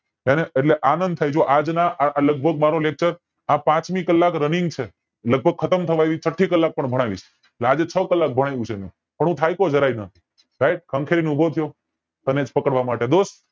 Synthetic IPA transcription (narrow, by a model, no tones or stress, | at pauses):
eneeʈleʔanənd̪̚t̪ʰajd͡ʒoʔad͡ʒnaləɡ̚bʱəɡ̚maɾolek̚t͡ʃəɾ | ãpãt͡ʃmikəlːakɾəniŋɡ̚t͡ʃʰe | ləɡ̚bʱəɡ̚kʰət̪əmt̪ʰəʋaeʋit͡ʃʰəʈʰːikəlːak̚pəɳbʱəɽ̃aʋḭʃ | eʈlead͡ʒet͡ʃʰəkəlːak̚bʱəɽ̃ajʋũt͡ʃʰemũ | pəɳũt̪ʰajkod͡ʒʱəɾajnəi | ɾaiʈ̚kʰə̃ŋkʰeɾinubʱot̪ʰijo | t̪əned͡ʒpəkəɽʋamaʈed̪os